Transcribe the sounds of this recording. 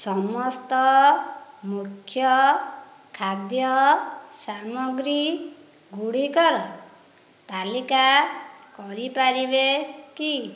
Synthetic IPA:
sɔmɔst̪ɔ | mukʰjɔ | kʰad̪jɔsamɔɡɾi | ɡuɽikɔɾɔ | t̪alikakɔɾipaɾibeki

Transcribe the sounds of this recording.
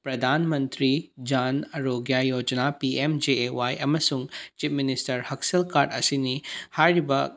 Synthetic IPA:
pɾɐd̪ʱanmɐnt̪ɾid͡ʒanɐɾoɡjajod͡ʒnapiemd͡ʒeewajɐmɐsuŋt͡ʃip̚ʰministɐɾhɐksɐlkaɾɖɐsinihaɾibɐ

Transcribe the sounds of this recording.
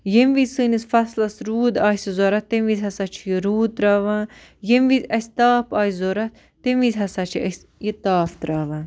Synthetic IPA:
jemʋisɨːnisfɐslɐsɾuːd̪aːsizoːɾɐt̪ːemʋizʲɦɐsat͡ʃʰijiɾuːt̪ɾaːʋaːn | jemʋizʲɐsʲt̪aːpaːjzoːɾɐt̪ | t̪emʋizʲɦɐsat͡ʃʰiɐsʲ | jit̪aːft̪ɾaːʋaːn

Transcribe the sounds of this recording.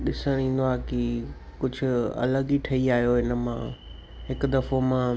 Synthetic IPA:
ɗɪsəɽ̃ĩːn̆d̪oaːkɪkʊd͡ʑʱʊ̆ɐ̰ləɡiʈʰɐiaːɦijoɦɪnə̆mã̰ː | ɦɪkd̪ɐfomã

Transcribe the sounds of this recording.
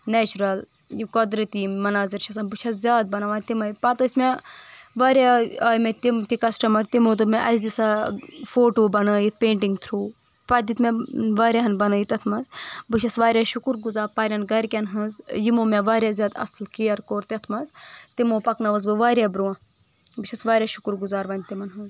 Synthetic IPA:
nɛːt͡ʃuɾɐl | jikɔd̪ɾɐt̪imːɐnaːziɾt͡ʃʰɐsãnbɨt͡ʃʰɐszʲaːd̪̚bɐnɐʋãːt̪imɐjpɐt̪ɐːsʲmeʋaːɾʲjaaːjmet̪imt̪ikɐsʈɐmɐɾt̪imoːt̪̬ɨmɛ̃ʔɐzd̪isafoːʈoːbɐnəːjit̪̚ʰpeːɳʈiŋɡt̪ʰɾuː | pɐd̪it̪mɛʋaːɾjaːɦɐnbɐnəːjit̪ɐt̪ʰmɐzbɨt͡ʃʰɐsʋaːɾʲjaʃukɾɡuzaːɾpaːɾʲɐnɡɐɾʲkʲɐnɦɨzjimoːmeʋaːɾʲjazʲaːd̪ɐ̰slkijɐɾkoːɾt̪ʲɐt̪ʰmɐzt̪imoːpɐknɐʋɐz̬bɨʋaːɾʲjabɾuãː | bɨt͡ʃʰɐsʋaːɾʲjaːʃu̥kɾɡuzaːɾʋɐnʲt̪imɐnɦɨz

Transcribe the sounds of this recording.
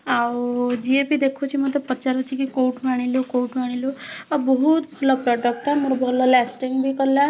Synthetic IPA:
awd͡ʒiepid̪ekʰut͡ʃʰimət̪epət͡ʃaɾət͡ʃʰikikowʈmaɽ̃iljokowʈmaɽ̃iloabɔɦut̪bʱəlɔpɾɔʈək̚t̪amuɾbʱəlɔlɛsʈiŋɡbʱikəɾla

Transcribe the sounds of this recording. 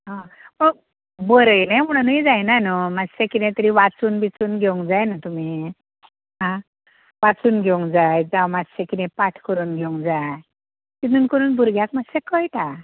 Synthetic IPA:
ɦãpə | bəɾəjnajm̤əɽ̃unid͡zajnanumad͡zsekinɛ̃t̪əɾiʋat͡suːnbit͡suːnɡʱeũŋɡd͡zajnat̪umi | ɦã | ʋat͡suːnɡʱeũŋɡd͡zajd͡zawmad͡zsekinɛ̃paʈʰkəɾuːnɡʱẽŋɡd͡zaj | t̪inuːnkəɾuːnbʱuɾɡʱjakmasekəjt̪a

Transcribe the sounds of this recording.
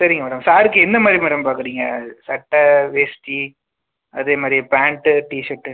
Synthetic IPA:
sɐɾɪŋɡɐmɛːɽɐmsaːɾɯkːɯɛnd̪ɐmaːd̪ɾimɛːɽɐmpaːɾkɯɽiːŋɡɐ̰sɐʈːɐʋeːsʈi | ɐðeːmaːd̪ɾipaːɳʈɯʈiːʃɐʈːɯ

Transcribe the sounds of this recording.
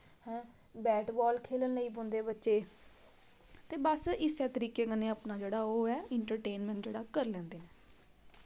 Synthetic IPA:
hɛ̃ː | bɛːʈbɔːlkʰeːlənːəiːpõnd̪eːbətːʃeː | t̪eːbəsɪsɛːt̪əɾiːkeːkəneːəpnaːd͡ʒeːɽaːoːɛːɪɳʈəɾʈeːnmɛ̃ːɳd͡ʒeːɽaːkəɾlɛ̃ːnd̪eːnɛː

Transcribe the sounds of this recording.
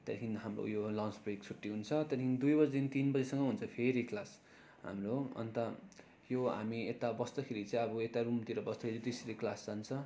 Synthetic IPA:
t̪ʌɾkʰiniɦamro̰jolʌ̃ŋsbrekt͡sʰuʈːiɦunt͡sʰʌt̪ʌd̪ikʰinid̪ujbʌrd̪int̪inbʌd͡zesʌŋɡʌɦunt͡sʰʌpʰeɾiklas | ɦa̰mroʌ̰nt̪ʌ | joɦa̰miet̪abʌst̪ʌkʰeɾit͡sʌĩʌbʌet̪arumt̪iɾʌbʌsd̪ʌkʰeɾid̪isɾiklast͡sant͡sʰʌ

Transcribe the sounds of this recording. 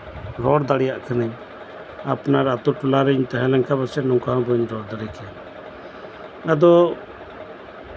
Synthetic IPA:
ɾɔɽd̪aɽijaʔkʰanəɲ | apnaɾat̪uʈɔlaɾiɲt̪aɦɛ̃lɛŋkʰabasɛnɔŋkaɦɔ̃bɔɲɾɔɽd̪aɽikʰɛn | ad̪ɔ

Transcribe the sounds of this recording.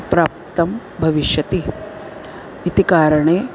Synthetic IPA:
pɾaːp̚t̪ɐm | bʱɐʋiʃjɐt̪i | it̪ikaːɾɐɳeː

